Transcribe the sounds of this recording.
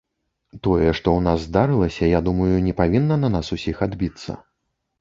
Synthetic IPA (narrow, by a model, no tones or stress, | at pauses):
t̪ɔjɛʂt̪ɔwnazːd̪aɾɨlˠɐsʲɐjad̪umɐjunʲɛpavʲinːɐnɐnasusʲixad̪bʲit̪sːɐ̰